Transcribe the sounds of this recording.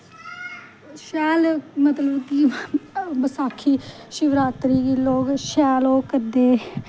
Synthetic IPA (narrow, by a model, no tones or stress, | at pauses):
ʃɛːlmət̪ləbkiː | bəsaːkʰiː | ʃɪʋɾaːt̪ɾiːɡiːloːɡʃɛːloːkəɾd̪eː